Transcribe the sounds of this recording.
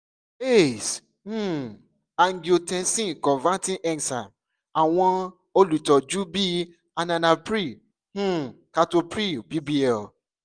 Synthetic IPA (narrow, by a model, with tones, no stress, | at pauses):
e˦˨s | h̩˦ | a˨ŋ̩˨ɡi˨o˨tɛ̃˧sĩ˦kɔ̃˨va˦tĩ˦ʔɛ˦nsa˨ | a˨w̃ɔ̃˦ | o˦lu˨tɔ˨d͡ʒu˦bi˦ | a˨nã˨na˨pɾi˦˨ | h̩˦ | ka˧to˧pɾi˦o˨bi˦bi˦ɛ˦˨l